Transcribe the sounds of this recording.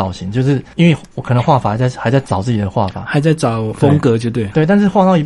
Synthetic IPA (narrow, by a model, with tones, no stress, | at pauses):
ɑ˨˩ʊɕi˨˦ŋt͡ɕjo˥˧ʊʂɻ̩˥˩i˥nwe˥˩wɔ˨˩kʰɤ˨˩nə˧˦ŋxwa˥˩fa˨˩a˧ɪt͡sa˥˩ɪxa˧˥ɪt͡sa˥˩ɪʈ͡ʂɑ˨˩ʊt͡sɹ̩˥˩t͡ɕi˨˩ə˧˦xwa˥˩fa̰˨˩˦xa˧˥ɪt͡sa˥˩ɪʈ͡ʂɑ˨˩ʊfə˦˥ŋkɤ˧˦t͡ɕjo˥˧t̪we˥˩we˥˨ɪt̪a˥˧nʂ̬ɻ̩˥˧xwa˥˧t̪ɑ˥˩ʊi˧˥